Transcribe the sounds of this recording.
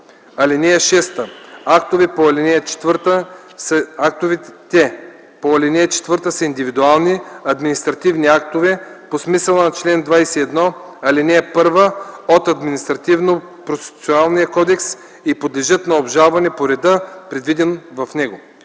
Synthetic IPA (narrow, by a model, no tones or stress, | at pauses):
ɐlinʲɛɐʃɛst̪əakt̪ovɛpoɐlɛnɛt͡ʃɛ̥t̪vəɾt̪ə | ak̚t̪ovɛt̪ɛ | poɐlʲɛnɛt͡ʃɛ̥t̪vəɾt̪əsəind̪ivid̪ualˠniɐd̪minist̪ɾɐt̪ivniak̚t̪ovɛposmisəlˠɐnɐt͡ʃlɛnd̪vajsɛɛd̪nɔ | ɐlinɛpɤɾvəot̪ɐd̪minist̪ɾɐt̪ivno | pɾost̪i̥t̪t̪sionalˠnijɐkɔd̪ɛks | ipod̪lɛʒɤt̪nɐobʒalˠvɐnɛpoɾɛd̪əpɾɛd̪vid̪ɛnvɐfnɛɡo